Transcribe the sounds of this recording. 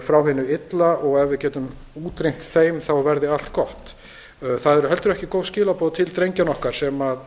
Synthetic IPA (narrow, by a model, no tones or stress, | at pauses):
fɾawɦɪnːʏɪt̪laʔɔɣɛvɪðcɛːt̪ʏm | uːt̪ɾejm̥t̪θeːjmθawvɛɾðɪal̥t̪kɔht̪ | θaðɛɾʏɦɛlt̪ʏɾɛhcɪkowscɪːlapɔːðt̪ʰɪlt̪ɾejɲcanɔhkaɾ̥sɛmað